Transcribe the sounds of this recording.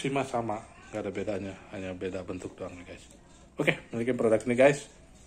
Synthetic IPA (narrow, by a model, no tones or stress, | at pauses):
simasama | ɡadabedaɲahaɲabedabənt̪ʊk̚doaŋniɡaɪs | okemilikɪnpɾodakniɡaɪs